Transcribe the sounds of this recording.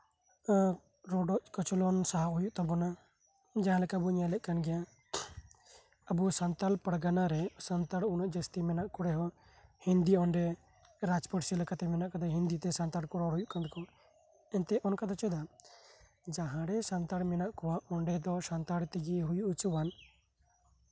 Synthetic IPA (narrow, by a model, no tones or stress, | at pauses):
ɾɔɖɔʔkɔt͡ʃɔlɔnsaɦaɦujuʔt̪ɔbɔna | d͡ʒaɦãlɛkabuɲajlɛʔ̚kanɡɛja | əbusant̪alpəɽɡanaɾɛsant̪aɽunaʔd͡ʒəst̪imɛnaʔkɔɽɛɦɔ | hind̪iɔɳɖɛ | ɾad͡ʒpəʈsilɛkat̪ɛmɛnaʔkad̪aɦĩnd̪it̪ɛsant̪aɽkɔɽɔɾɦujuʔkand̪ɛkɔ | ɛnt̪ɛʔɔnkad̪ɔt͡ʃɛd̪a | d͡ʒaɦãɽɛsant̪aɽmɛnaʔkɔwaʔɔɳɖɛd̪ɔsant̪aɽt̪iɡiɦujuʔut͡ʃuwan